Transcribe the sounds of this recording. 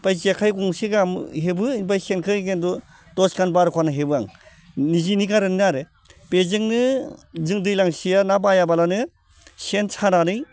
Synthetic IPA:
pajzijakʰajɡuŋsiɡamɦebɯinbajsenkʰɯɡendɔ | dɔskanbaɾkʰwanɯɦebɯaŋ | nizinikaɾɯninaɾɯ | pezɯŋnɯzɯŋdɯjlaŋsijanabajabalanɯ | sensʰananɯj

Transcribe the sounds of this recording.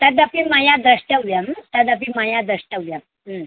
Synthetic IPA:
t̪ad̪apĩmajad̪ɾəʂʈəʋjamt̪ad̪apimajad̪ɾəʂʈəʋjam | ə

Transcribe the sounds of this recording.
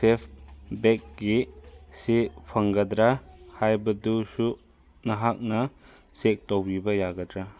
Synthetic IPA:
sepʰbek̚ɡisipʰɐŋɡɐdɾahajbɐdusu | nɐɦak̚nɐ | sek̚towbibɐjaɡɐdɾa

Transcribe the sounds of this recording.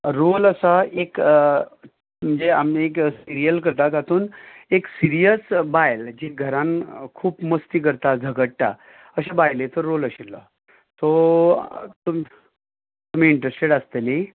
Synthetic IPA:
ɾoləsaek | m̤əɳd͡zeameksiɾijəlkəɾt̪at̪at̪uːneksiɾijəsbajld͡ʑiɡʱəɾankʰuːpməst̪iːk̬əɾt̪ad͡zʱəɡəʈʈa̰ | əɕabajlet̪əɾːoləɕilːɔ̰ | t̪o | t̪um | t̪um̤iːɳʈɾesʈeɽast̪əli

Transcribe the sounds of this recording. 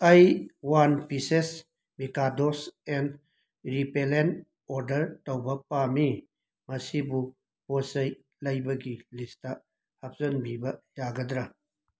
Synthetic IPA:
ɐjwanpises | mikadɔsen | ɾipelen | ɔɾdɐɾtɐwbɐpami | mɐsibu | bosɐj | lɐjbɐɡilista | hɐp̚zɐnbibɐjaɡɐd̪ɾa

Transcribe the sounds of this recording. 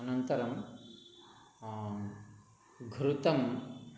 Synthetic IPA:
ɐnɐnt̪ɐɾɐm | ɡʱɾut̪ɐm

